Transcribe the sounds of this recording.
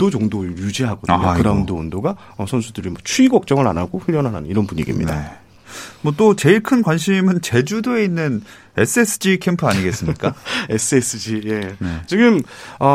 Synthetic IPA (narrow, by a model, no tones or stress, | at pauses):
t͈od͡ʑʌŋdojud͡ʑiɦaɡʌdɯɲokɯɾaundoʌndoɡa | ʌsʰʌnsʰudɯɾimwʌt͡ɕʰuiɡʌk̚t͡ɕ͈ʌŋɯɾa̰naɡoɸɯʎjʌnɦanɦanɯiɾʌnpuɲiɡḭmɲḭda̰ | mwʌt͈ot͡ɕe̞iɭkʰɯnkwanɕʰimɯnt͡ɕe̞d͡ʑudoe̞inːɯn | es͈ʰɯesʰɯ̥d͡ʑikʰempʰɯaɲiɡe̞s͈ɯmɲik͈aesʰɯes͈ʰɯd͡ʑije̞nt͡ɕiɡɯmʌ